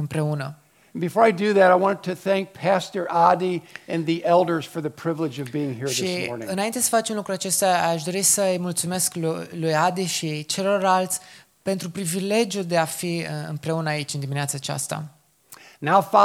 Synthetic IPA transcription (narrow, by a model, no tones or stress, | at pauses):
ɨmpɾe̞unə̃ | nbɨfɔɹaɪdɨðɨɾaɪwɑ̃ñɨtʰɨθæ̃ŋk̚pʰæstə˞ʔɑdiɨ̃nðiʔɛlˠdə˞z̥fə˞ðɨpʰɹ̥ɪvlɨd͡ʒʌvbiɪ̃ŋhiɹɹʃiɔɹ̃ɨnaint̪e̞sə̥fat͡ʃunlukɾuat͡ʃe̞st̪aaʃd̪o̞ɾisəjmult̪sume̞skllujad̪iʃit͡ʃe̞lo̞ralt̪sʲ | pe̞nt̪ɾupɾivile̞d͡ʒjuld̪e̞afiɨ̰mpɾe̞unəait͡ʃʲɨnd̪imineat̪sat͡ʃa̰st̪a̰ | naʊfɑ